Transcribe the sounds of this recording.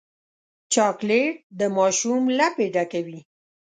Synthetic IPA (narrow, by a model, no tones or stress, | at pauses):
t͡ʃɑkleʈ̚d̪əmɑʃumlapeɖakawi